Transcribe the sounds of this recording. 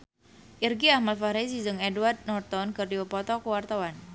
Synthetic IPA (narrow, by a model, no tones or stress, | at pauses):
ʔirɡiahmalfaɾis̬id͡ʒɨŋɛduard̪̚nɔrt̪ɔnkɨrdiwəpɔt̪ɔkəwart̪awan